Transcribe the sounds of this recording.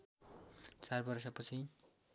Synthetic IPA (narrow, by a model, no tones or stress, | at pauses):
t͡sarbʌrs̬ʌpʌt͡sʰi